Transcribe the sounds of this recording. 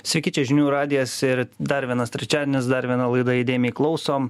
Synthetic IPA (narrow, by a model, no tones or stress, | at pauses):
sʲʋʲɛɪkʲiːt͡ʃʲɛʒʲɪnʲuːɾɑːd̪ʲɪjɛsɪɾd̪ɐɾʋʲiɛnɐst̪ʲɾʲɛt͡ʃʲæːd̪ʲɛnʲɪsd̪ɐɾʋʲiɛnɐlˠɐɪd̪ɐid̪ʲeːjmʲeiklˠɒʊsoːm